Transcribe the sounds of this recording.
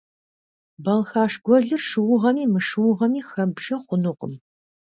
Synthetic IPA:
bɐlxaːʂɡʷɔɮɨrʂɨwʊʁɐmiːmɨʂɨwʊʁɐmiːxɐbʒɐχʷʊnuqʼə̰m

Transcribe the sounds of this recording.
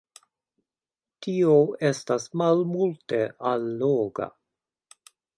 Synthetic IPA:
tioe̞stasmalmulteʔalːoɡa̰

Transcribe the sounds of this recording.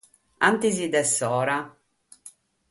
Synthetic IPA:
ant̪izid̪ɛsːɔːɾa

